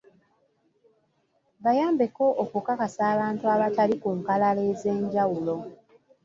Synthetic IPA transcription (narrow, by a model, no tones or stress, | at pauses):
βajaːmbe̞ko̞ʔːkukakasaːβaːntuaβatalikuŋkalale̞ːze̞ːɲɟawulo̞